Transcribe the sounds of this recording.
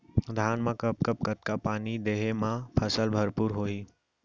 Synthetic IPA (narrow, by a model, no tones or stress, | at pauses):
d̪ʱaːnmãkəpkəpkət̪kapaːnid̪eːɦemãpʰəsəlbʱəɾpuɾɦoːi